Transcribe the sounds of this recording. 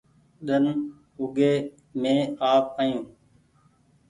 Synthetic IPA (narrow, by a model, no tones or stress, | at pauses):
ɗən | ʊɡeː | mẽːaːpaːjũː